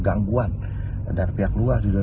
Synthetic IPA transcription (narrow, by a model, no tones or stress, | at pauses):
ɡaŋɡuan | darpiakluasduda